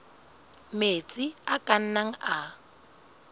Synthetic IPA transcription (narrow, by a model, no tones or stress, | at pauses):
met͡sʼiakʼan̩naŋ̩a